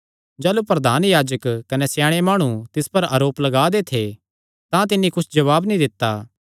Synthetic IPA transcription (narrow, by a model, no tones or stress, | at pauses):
d͡ʒaːlupɾɐd̪ʱaːnjaːd͡ʒəkkɐnesjaːɽ̃emaːɽ̃ũt̪ɪspɐɾɐːɾoːplɐɡaːd̪et̪ʰe | t̪ãt̪ɪnːikʊt͡ʃʰd͡ʒɐʋaːbnĩd̪ɪt̪ːaː